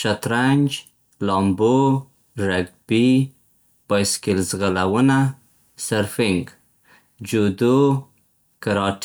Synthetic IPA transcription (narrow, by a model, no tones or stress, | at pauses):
ʃat̪ɾanʲd͡ʒ | lɑmbo | ɾaɡ̚bi | pɑjskɪlzɣalawəna | saɾfɪŋɡ | d͡ʒod̪o | kaɾɑʈ